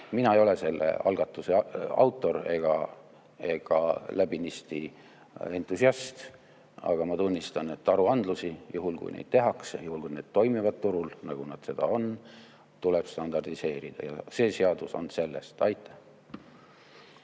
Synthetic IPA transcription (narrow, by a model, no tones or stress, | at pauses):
minɑejo̞le̞se̞lːḛɑ̰lɡ̥ɑt̪ːˑuseɑ̰wt̪ˑːo̞ɾe̞ɡ̥ɑ̰ | e̞ɡ̥ɑ̰læbinist̪i | e̞nt̪ˑːusiɑst̪ | ɑ̰ɡ̥ɑmɑt̪unʲːist̪ɑne̞t̪ːɑɾuɑnd̪̥lusijuɦulkṵjnʔḛjd̥̪̚t̪e̞ɦɑksejuhulkujne̞ːd̪̥t̪o̞jmivɑd̪̚t̪uɾulnɑɡ̥unɑd̪̥se̞d̪̥ɑ̰o̞n | t̪uleb̥st̪ɑnd̪ɑrd̪ise̞ːɾid̪̥ɑ̰jɑ̰se̞ːse̞ɑd̪uso̞̰nse̞lːe̞̰st̪ɑjt̪ːˑæ̥h